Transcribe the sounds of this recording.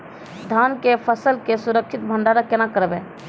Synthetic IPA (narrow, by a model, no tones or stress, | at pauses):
d̪ʱaːnkepʰəsəlkesʊɾəkʃʰɪt̪̚bʱəɳɖaːɾakenãkəɾbẽ